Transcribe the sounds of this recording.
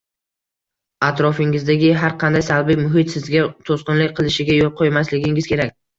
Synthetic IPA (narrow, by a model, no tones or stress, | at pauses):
at̪ɾɒfɪŋɪzd̪aɡʲɪɦaɾqʰɑnd̪ajsalˠbijmʊɦɪt̪sɪzɡʲat̪ʰosqɨnlɪk̚ʲqʰɨlˠɪʃɪɡʲajolˠqʰojmaslɪɡʲɪŋɪzkʲʰe̞ɾakʲ